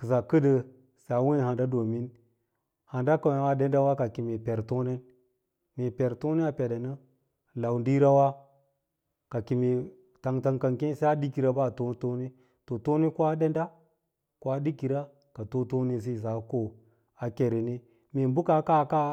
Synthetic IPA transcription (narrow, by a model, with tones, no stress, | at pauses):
kə˨sa˨kə˦də˨ | se˨a˨˦we˦ha˨nda˦do˨mi˦n | ha˨nda˦ka˨a˨˦wa˦de˦nda˦wa˦ka˨ki˨me˨pe˨ɾto˦ne˦n | me˨pe˨ɾto˦ne˦a˨pe˨da˨nə˦ | la˨wndi˦ɾa˦wa˦ | ka˨ki˨me˨ | ta˨ŋta˨ŋka˨ŋke˦n˦se˦a˦di˦ki˨ɾa˦ba˦˨to˦to˦ne˦ | to˨to˦ne˦ko˦a˦de˦nda˦ | ko˦a˦di˦ki˨ɾa˦ | ka˨to˦to˦ni˦s̬i˦˨za˨˦ko˦ | a˨ke˨ɾe˨ne˦ | me˨mbu˦ka˦ka˦ka˦